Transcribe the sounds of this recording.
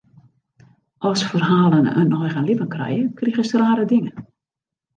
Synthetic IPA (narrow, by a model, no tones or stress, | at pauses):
ʔɔsfərhaːlˠənə̰nɔjɣənlɪpənkrɛ̰jəkriɣəstraːɾədɪŋən